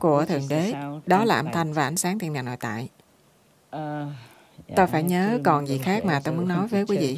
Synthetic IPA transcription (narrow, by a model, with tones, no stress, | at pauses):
ku˧˩ət̪ʰɨ˨˩əŋɗe˨˦ɗɔ˨˦laː˨˩ʔə̰˧˩nt̪ʰa˨˩jŋ̟vaː˨˩ʔa˧˩jŋsaː˨˦ŋt̪ʰi˨˩ənaː˨˩nːo̰˧˨jt̪a̰ː˧˨j | t̪o˧jfaː˧˩jɲəː˨˦kɔ˨˩nzḭ˨˩xaː˦˥k̚maː˨˩t̪o˧jmu˨˦ənɔ˨˦jvəː˨˦kwi˨˦vḭ˧˨